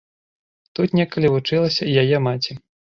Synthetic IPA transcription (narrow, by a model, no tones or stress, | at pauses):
t̪ut̪nʲɛkɐlʲivut͡ʂɨlˠɐsʲɐjajɛmat͡sʲi